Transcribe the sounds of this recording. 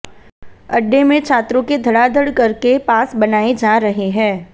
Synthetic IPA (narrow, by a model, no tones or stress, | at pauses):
ɐɖːemẽt͡ʃʰaːt̪ɾõked̪ʱɐɽad̪əɽkɐɾkepaːsbɐnaːed͡ʒaːɾɐɦeɦɛ̃ː